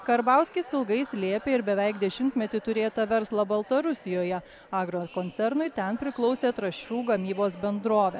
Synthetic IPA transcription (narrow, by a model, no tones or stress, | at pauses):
kɐɾbɑˑʊsʲkʲɪsɪlˠɡɐɪsʲlʲeːpʲeːɪɾbʲɛʋʲɛɪkd̪ʲɛʃʲɪmʲt̪ʲmʲɛt̪ʲɪt̪ʊɾʲeːt̪ɐʋʲɛɾslˠɐbɐlˠt̪ɐɾʊsʲɪjoːjɛ | ɑːɡɾoːkɔnʲɛɾnʊɪt̪ʲɛnpʲɾʲɪklˠɒʊsʲeːt̪ɾɐʃʲuːɡɐmʲiːboːsbʲɛnd̪ɾoːʋʲɛ